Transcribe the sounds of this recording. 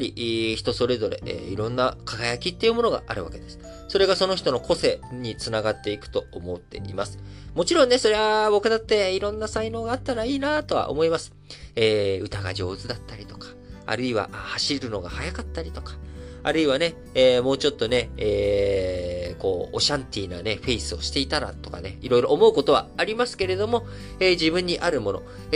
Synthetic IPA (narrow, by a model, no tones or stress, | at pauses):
ɾʲiʔçi̥t̪o̞so̞ɾe̞zo̞ɾe̞̰ʔḛiɾõ̞nːakaɡajakʲit̪ːe̞iɯ̟mo̞no̞ɡa̰ʔa̰ɾɯ̟βa̰ked̪e̞sɨ̥ | so̞ɾe̞ɡaso̞no̞çi̥t̪o̞no̞kʰo̞se̞ɲ̟it͡sɨnaɡat̪ːe̞ikɯ̟̥t̪o̞omo̞t̪ːe̞̰ʔḭmasɨ̥ | mo̞t͡ɕiɾõ̞nːe̞so̞ɾe̞βabo̞kɯ̟d̪at̪ːe̞iɾõ̞nːasaino̞ːɡaːt̪ːaɾaiːnat̪o̞βa̰ʔo̰mo̞imasɨ̥ | eːɯ̟t̪aɡa̰ʑo̞ːzɨd̪at̪ːaɾʲit̪o̞̥kḁa̰ɾɯ̟iβa̰ʔhaɕiɾɯ̟no̞ɡahajakat̪ːaɾʲit̪o̞kḁa̰ɾɯ̟iβane̞ | eːmo̞ːt͡ɕo̞t̪ːo̞ne̞eː | ko̞̰ːo̰ɕãnt̪ʲiːna̰ne̞ɸe̞isɨo̞ɕi̥t̪e̞it̪aɾa̰t̪o̞ka̰ne̞iɾo̞iɾo̞ʔomo̞ɯ̟ko̞t̪o̞βa̰ːɾʲimasɨ̥ke̞ɾe̞d̪o̞mo̞ | eːʑibɯ̟̃ɲ̟ːiʔaɾɯ̟mo̞no̞̰